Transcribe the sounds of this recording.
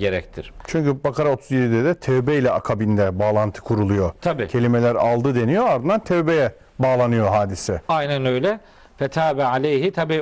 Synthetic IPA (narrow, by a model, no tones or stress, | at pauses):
ɟeɾɛct̪ʰiɾ̥t͡ʃʰyɲʲcybakaɾao̞t̪ʰuzjed̪id̪ɛd̪ɛt̪ʰɛvbɛjlʲɛakʰabind̪ɛbaːlˠant̪ʰɯ̥kʰuɾulˠujo̞t̪ʰabicʰe̞lʲimelʲæɾa̰lˠd̪ɯd̪e̞nijo̞aɾd̪ɯnd̪ant̪ʰɛvbejɛ | baːlˠanɯjo̞ɦaːd̪isɛajnænø̞jlʲɛ | fɛt̪ʰaːbɛalʲejɦit̪ʰabiː